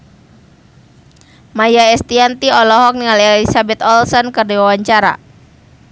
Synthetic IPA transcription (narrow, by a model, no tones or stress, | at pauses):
majaɛst̪iant̪iɔlɔɦɔk̚niŋalɛlisabɛt̪ɔlsɔnkərdiwawaɲt͡ʃaɾa̰